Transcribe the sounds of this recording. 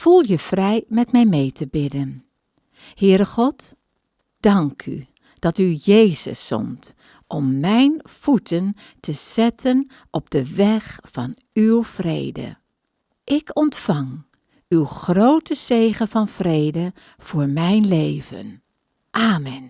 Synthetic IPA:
v̥ulˠjəv̥rɛjmɛtmɛjmejtəbɪdən | hɪːɾəχɔt | d̥ɑŋkʰy̰ | d̥ɑtyjejzə̰sːɔ̰mt | ʔɔmːɛjnv̥utʰən | təz̥ɛtʰən | ʔɔb̚d̥əʋɛχfɑn | ywv̥rḛjdə̰ | ʔɪkɔntfɑŋ | ywχrowtəzejχəvɑnvrejdə | v̥ʊːɹmɛjnlejvə̰n | ʔaːmɛn

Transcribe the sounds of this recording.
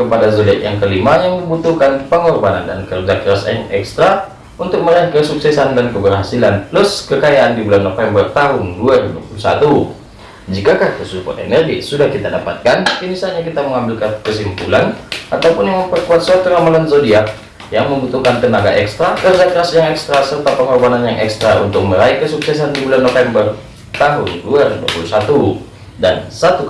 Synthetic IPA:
kəpadazodiakjaŋkəlimajaŋdibut̪uhkanpəŋɔrbananda̰nkərd͡ʒakɾasaaŋɛkst̪ɾa | unt̪ʊk̚məɾakəsuksɛsandankəbərɦasilanlʊskəkajaʔandibulanːofɛmbərt̪aɦʊnduaɾibupulusa̰t̪u | d͡ʒikakahkəsupa̰nḛnɛrɡisudahkit̪adapat̪̚kaninisalɲakit̪aməŋambɪlkakəsimpulanat̪awpʊnjaŋməmpərkuat̪̚sat̪uɾamalansodia | jaŋməmbut̪uhkant̪ənaɡa̰ʔɛkst̪ɾakərdak̪əɾasjaŋɛkst̪ɾasərt̪apəŋabananjaŋʔɛ̰kst̪ɾaṵnt̪ʊk̚məɾaikəsuksɛs̬andibulanːofɛmbər | t̪aɦʊnduaɾidua̰pulusat̪u | da̰nsat̪u

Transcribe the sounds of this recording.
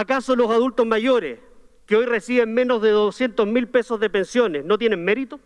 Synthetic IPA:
akasolosaðult̪ozmaʝoɾḛs | keojresiβemmːe̞nozðeðosjent̪ozmilpesozðepe̞nsjonesnot̪̬jene̞nmeɾit̪o

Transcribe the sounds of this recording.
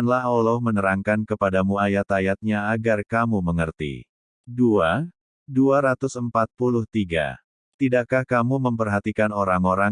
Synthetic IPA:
nlaɦolɔhmənəɾaŋkankəpadamuajat̪ajat̪̚ɲaːɡarkamuməŋərt̪ḭ | dua | duaɾat̪ʊsəmpat̪̚pulʊht̪iɡa̰ | t̪idaʔkahkamuməmpərɦat̪ikanoɾaŋoɾa

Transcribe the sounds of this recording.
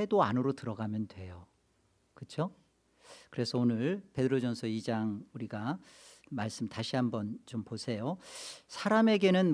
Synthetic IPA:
edoanɯɾotɯɾʌɡamjʌndwe̞jo | kɯt͡ɕʰo | kɯɾe̞sʰʌonɯɭpe̞dɯɾod͡ʑʌnsʰʌid͡ʑaŋuɾiɡa | maɭs͈ɯmtaɕʰiɦambʌnt͡ɕomposʰe̞josʰaɾame̞ɡe̞nɯn

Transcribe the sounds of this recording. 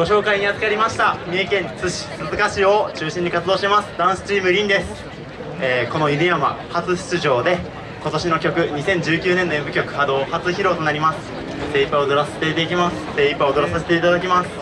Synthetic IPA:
ɡo̞ɕo̞ːkaiɲ̟iat͡sɨ̥kaɾʲimaɕi̥t̪amʲiekẽ̞nt͡sɨɕi̥sɨzɨkaɕio̞t͡ɕɨːɕĩɲ̟ːikat͡sɨd̪o̞ːɕʲit̪emasɨ̥d̪ãɰ̃sɨ̥t͡ɕiːmɯ̟ɾʲĩnd̪e̞sɨ̥ | eːko̞no̞id̪eama̰hat͡sɨɕi̥t͡sɨʑo̞ːd̪e̞ | ko̞t̪o̞ɕino̞kʲo̞kɯ̟ɲ̟isẽ̞ɲ̟d͡ʑɨːkʲɨːnenːoebɯ̟kʲo̞kɯ̟̥had̪o̞ːhat͡sɨçiɾo̞ːt̪o̞naɾʲimasɨ̥ | t̪e̞ipːaod̪o̞ɾasee̥t̪e̞it̪eikʲimasɨ̥t̪eipːaod̪o̞ɾasas̬e̞t̪e̞it̪ad̪akʲimasɨ̥

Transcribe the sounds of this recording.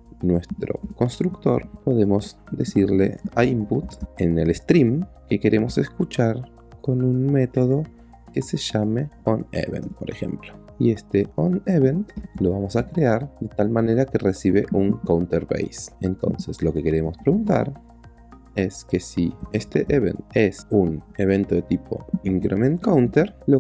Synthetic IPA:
nwe̞st̪ɾo̞̰ko̞nst̪ɾukt̪o̞̰ɾpo̞ðe̞mo̞zd̪esiɾle̞̰aimput̪enelest̪ɾimke̞ke̞ɾʔe̞mo̞se̞skut͡ʃaɾ | ko̞nunme̞t̪o̞ð̞o̞ | ke̞se̞ʃameonḛβḛnt̪̚po̞ɾexe̞̰mplo | ie̞st̪eoneβent̪lo̞βamo̞sakɾe̞aɾðe̞t̪almaneɾakeresiβe̞ʔuŋkawnt̪eɾβḛjsent̪o̞̰nse̞slo̞ke̞ke̞ɾe̞mospɾeɣunt̪a̰ɾ | e̞ske̞siest̪eʔeβe̞̰nt̪e̞sune̞β̞e̞nt̪oðet̪ipʰo̞̰iŋkɾemẽnkawnt̪eɾlo

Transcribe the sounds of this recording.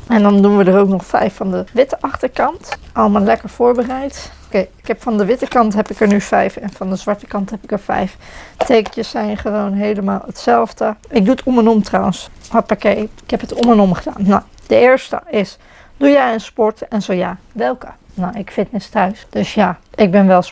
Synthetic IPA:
ɛndɑndunʋədərowknɔχfɛ̰jfɑndəʋɪtəʔɑχtəɹkɑntʔɑlˠmaːlɛkəɹv̥ʊːɹbərɛjtokejɪkɦɛpfɑndəʋɪtəkɑntɦɛpɪkəɹnyfɛ̰jfɛnfɑndəzʋɑɹtə̥kɑntɦɛpɪkəɹfɛ̰jftejkət͡ʃəsɛjnχəʋownɦejləmaːlˠətsɛlˠvdəɪk̚duətʰɔmɛnɔmtrawənsɔpakejɪkɦɛpɦətɔmɛnɔmχəda̰ːnːow | d̥əɪːɹstə̰ɪs | d̥ujaənspɔɹtɛnzowjaː | ʋɛlˠkə | nowɪkfɪtnɪstœɥsd̥ɵsjaːɪɡ̚bɛnʋɛlˠ

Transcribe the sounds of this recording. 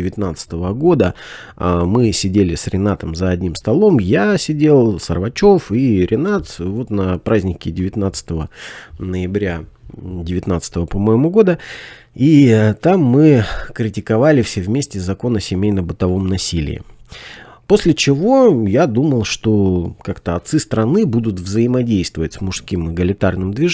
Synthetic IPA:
ɪvʲɪt̪nat̪sɨ̥t̪əvəɡo̞d̪ə | mɨsʲɪdʲelʲɪsɾʲɪnat̪əmzəɐdʲnʲimst̪ɐlˠo̞mjasʲɪdʲe̞lˠsərvɐt͡ɕo̞fiɾʲʔɪnat̪vo̞t̪nəpɾazʲnʲɪkʲɪdʲɪvʲɪt̪nat̪sə̥t̪əvənəjɪbɾʲadʲɪvʲɪt̪nat̪sə̥t̪əvəpɐmojɪmuɡo̞d̪ə | it̪amːɨkɾʲɪtʲɪkɐvalʲɪfsʲevmʲesʲtʲɪzɐko̞nəsʲɪmʲejnəbɨt̪ɐvo̞mnɐsʲilʲɪ̰ɪ̰ | po̞sʲlʲɪt͡ɕɪvo̞jad̪uməlˠʂt̪o̞kakt̪əɐt̪sɨst̪ɾɐnɨbud̪ʊt̪vzəjɪmɐdʲejst̪vəvətʲsmʊʂskʲimɨɡəlʲɪt̪arnɨmd̪vʲɪ

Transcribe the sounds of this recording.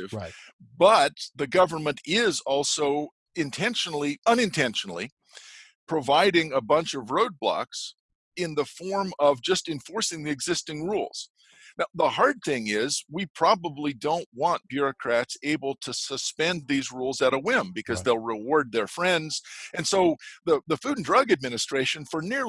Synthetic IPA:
v̥bʌt̪̚ðɨɡʌvə˞mɨ̃ntɪzɔlˠsoʊ | ɨ̃ntʰɛ̃nʃnl̩ˠiʌ̃ñɨ̃ntʰɛ̃nʃn̩l̩ˠḭ | pʰɹ̥ɨvaɪɾɪ̃ŋəbʌ̃nt͡ʃʌvɹoʊd̚blɑ̰ks | ɪ̃nðəfɔɹmʌvd͡ʒʌstɨ̃ɱfɔɹsɪ̃ŋðiɨɡzɪstɪ̃ŋɹṵlˠz̥ | naʊðəhɑɹd̪̚θɪ̃ŋɪzwipʰɹ̥ɑbəblidõʊ̃nʔwɑ̃nb̥jʊɹɨkʰɹ̥ætseɪbl̩ˠtʰɨsəspɛ̃nðizɹulˠzɨɾəwɪ̃mbɨkʰʌzðeɪlˠɹɨwɔɹd̪̚ðə˞fɹɛ̃ndz̥ɨ̃nsoʊðəðɨfʉdⁿn̩dɹʌɡɨd̚mɪnɨstɹ̥eɪʃɨ̃nfə˞nɪɹ

